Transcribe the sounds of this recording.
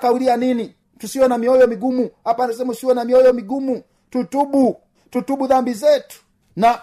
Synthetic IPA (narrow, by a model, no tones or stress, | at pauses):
kaulianini | tusiwɛnamiɔjɔmiɡumuhapanasɛmausiwɛnamiɔjɔmiɡumu | tutuɓu | tutuɓuðambizɛtu̥ | na